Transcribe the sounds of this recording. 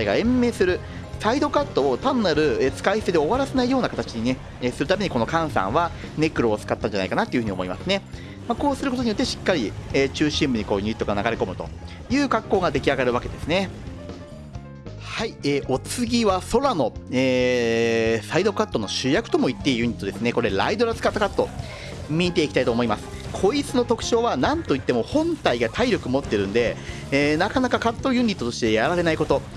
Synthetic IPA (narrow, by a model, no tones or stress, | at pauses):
aiɡa̰ẽ̞mːe̞ːsɨɾɯ̟ | said̪o̞kat̪ːo̞ːt̪ãnːaɾɯ̟et͡sɨ̥kaissed̪eo̞βaɾase̞naijo̞ːnakat̪at͡ɕiɲ̟ine̞ | esɨɾɯ̟t̪ame̞ɲ̟iko̞no̞kãɰ̃sã̰ɰ̃βane̞kɯ̟ɾo̞ːt͡sɨ̥kat̪ːãɲ̟d͡ʑanaikanat̪ːojɯ̟ɯ̟ɲio̞mo̞imasɨne̞ | mako̞ːsɨɾɯkot̪oijo̞t̪ːe̞ɕi̥kːaɾʲiet͡ɕɨːɕĩmbɯ̟ɲ̟iko̞ːɲʲiit̪ːoɡanaɡaɾeko̞mɯ̟t̪o̞̰ | jɯ̟ːɡakːo̞ːɡad̪e̞kʲiaɡaɾɯ̟βake̞d̪e̞sɨne̞ | haieːʔo̞t͡sɨɡʲiβaso̞ɾano̞eː | said̪o̞kat̪ːo̞no̞ɕɨjakɯ̟t̪o̞mo̞it̪ːe̞jɯ̟ɲ̟it̪ːod̪e̞sɨne̞ko̞ɾe̞ɾa̰id̪o̞ɾat͡sɨ̥kat̪ːakat̪ːo̞ | mʲiit̪e̞ikʲit̪ait̪o̞ːmo̞imasɨ̥ | kʰo̞it͡sɨno̞t̪o̞kɯ̟̥t͡ɕo̞ːβanãnt̪o̞it̪ːe̞mo̞hõ̞nt̪aiɡat̪ʰaiɾʲo̞kɯ̟mo̞t̪ːe̞ɾɯ̟̃nd̪e̞ː | nakanakakat̪ːo̞jɯ̟ɲ̟ʲːit̪ːo̞t̪o̞ɕi̥t̪e̞jaɾaɾe̞naiko̞t̪o̞